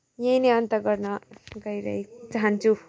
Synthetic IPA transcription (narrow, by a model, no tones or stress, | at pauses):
jejneʌnt̪ʌɡʌrnʌɡʌjɾʌ̰ɦid͡zaɦant͡sʰu